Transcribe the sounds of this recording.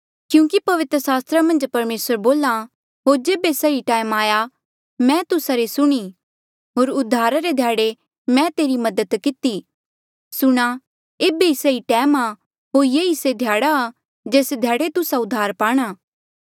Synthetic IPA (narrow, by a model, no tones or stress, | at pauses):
kjũːkipɐʋɪt̪ɾəsaːst̪ɾamɐ̃nd͡ʒpɐɾmeːsəɾboːla | ɦoːd͡ʒeːbesɐiʈaːmaːja | mɛ̃t̪ʊsaɾesʊɽ̃iː | ɦoːɾʊd̪ʱːaːɾaɾed̪ʱjaːɽe | mɛ̃t̪eːɾimɐd̪ət̪kɪt̪i | sʊɽ̃a | eːbeiseiʈɛːma | ɦoːɾjeːised̪ʱjaːɽa | d͡ʒeːsd̪ʱjaːɽet̪ʊsaʊd̪ʱːaːɾpaːɽ̃aː